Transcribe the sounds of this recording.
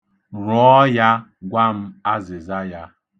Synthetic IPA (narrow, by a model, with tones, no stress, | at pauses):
ɾɔ˦ja˦ | ɡʷa˦m̩˦a˦zɪ˨za˦ja˦